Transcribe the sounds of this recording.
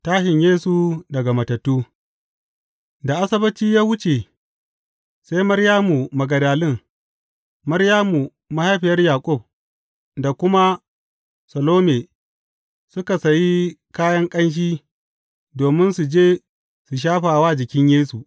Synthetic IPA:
taː˦ʃɪ˨ɲjeː˦su˨dɐ˨ɡa˨mɐ˨tɐ˨tːuː˦ | da˨ʔa˦sɐ˦bɐ˦t͡ʃiː˦jaː˦wʊ˦t͡ʃe˨ | sa˦jmɐ˦ɽjaː˦mu˨mɐ˨ɡɐ˨daː˨lɪ˦˨ŋ | mɐ˦ɾjaː˦mu˨ | ma˦ha˦jɸɪ˨jɐ˦rjaː˨kʷʼʊ˦˨b̚ | da˨kʷʊ˦ma˦ | sɐ˨loː˦me˨ | sʊ˦ka˨sɐ˨ji˦kaː˦jɐ˦ŋkʼɐ˦nʃ̬iː˦ | doː˨mɪ˦nsu˨d͡ʒeː˦ | su˨ʃ̬aː˦ɸaː˨waː˦d͡ʒɪ˨kʲɪ˦ɲjeː˦su˨

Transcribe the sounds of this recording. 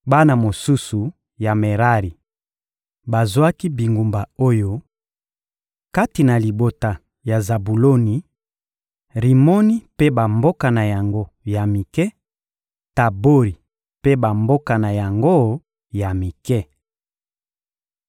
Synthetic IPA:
ba˦na˨mo˨su˦su˨ | ja˨me˨ʁa˦ʁi˨ | ba˨zwa˦ki˦bi˨ŋɡu˨mba˨o˦jo˦ | ka˦ti˨na˨li˨bo˨ta˨ | ja˨za˨bu˨lo˦ni˨ | ʁi˨mo˦ni˦pe˦ba˨mbo˦ka˨na˨ja˨ŋɡo˦ | ja˨mi˨kɛ˦ | ta˨bo˦ʁi˨ | pe˦ba˨mbo˦ka˨na˨ja˨ŋɡo˦ | ja˨mi˨kɛ˦

